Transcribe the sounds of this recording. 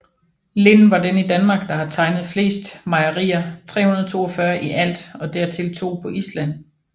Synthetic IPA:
le̝nʋɑ̈denid̥ænmɑ̈ːɡ̥̚d̥ɑ̈hɑt͡sʰɑ̈ɪnð̞̩ˠfle̝̰ːsd̥mɑ̈ɪɐʁiːɐt͡sʰʁɛ̰ːunɐð̞̩ˠt͡sʰo̝̰ːɒfɶɐʔiʔæl̰d̥ɒ̽d̥æɐ̰t͡sʰe̝lt͡sʰo̝̰ːpʰɒ̽ʔislæn̰

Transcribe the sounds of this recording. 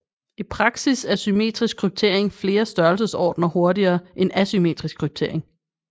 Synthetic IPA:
ipʰʁɑ̈ɡ̥sisæɐsyme̝̰d̥ʁisɡ̥̚kʰʁyb̥̚t͡sʰe̝ɐ̰e̝ŋfle̝ːɐsd̥ɶɐlsəsɒ̰ːd̥nɐho̝ɐdiɐːʔenæsyme̝̰ːd̥ʁisɡ̥̚kʰʁyb̥̚t͡sʰe̝ɐ̰e̝ŋ

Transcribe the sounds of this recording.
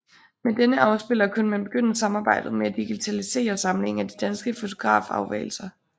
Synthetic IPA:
med̥enəʔɑ̈ʊsb̥e̝l̰ɐkʰunmænb̥e̝ɡ̥øn̰ɐsɑ̈mɑ̈ːb̥ɑ̈ɪ̰d̥ð̩ˠmeæd̥iɡ̥it͡sʰælise̝̰ːɐsɑ̈ml̩e̝ŋæd̥id̥ænsɡ̥əfo̝t͡sʰo̝ɡ̥ʁɑ̰̈ːfɑ̈ʊʋɛ̰ːɪl̩sɐ

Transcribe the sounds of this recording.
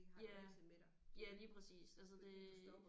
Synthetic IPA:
jæ̥ | jæliːpʰʁɛsḭːsæls̬əd̥e̝

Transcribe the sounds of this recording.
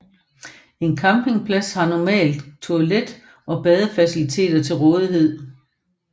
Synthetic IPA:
e̝nkʰɑ̈mpe̝ŋpʰlæshɑ̈nɒmɛ̰ːld̥t͡sʰo̝æled̥ | ʔɒ̽b̥ɛːð̞ˠəfæsilit͡sʰe̝̰ːd̥ɐt͡sʰe̝lʁɔ̽ːð̞ˠiɦe̝ð̞̰ˠ

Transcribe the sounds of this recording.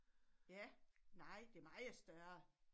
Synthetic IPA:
jænɑ̈ɪ̰d̥e̝ɐmɑ̈ɪð̩sd̥ɶɐ

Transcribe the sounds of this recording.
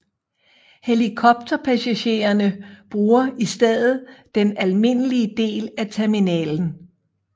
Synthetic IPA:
helikʰɒ̽b̥̚t͡sʰɐpʰæsæɕe̝̰ːɐnəb̥ʁuːɐisd̥eð̰ˠð̞̩ˠd̥enælme̝nəliəd̥e̝̰ːlæt͡sʰeɐminɛ̰ːln̩

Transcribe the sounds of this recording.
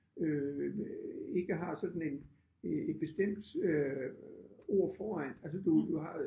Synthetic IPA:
ø | e̝ɡ̥əɦɑ̈sɒ̽d̥n̩e̝n | e̝d̥̚b̥e̝sd̥em̰d̥ø | o̝ɐ̰fɒːæn̰æls̬əd̥ud̥uɦɑ̈

